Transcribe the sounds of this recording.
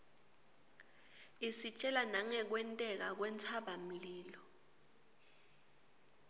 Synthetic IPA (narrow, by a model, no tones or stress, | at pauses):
isit͡ʃʼɛlanaŋɛk̬wɛntʼɛk̬ak̬wɛnt͡sʰaɓam̩liːlɔ